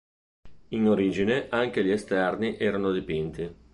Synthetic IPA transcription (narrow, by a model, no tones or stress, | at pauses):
inoɾiːd͡ʒineʔaŋk̟eʎiest̪ɛrniʔɛːɾanod̪ipint̪i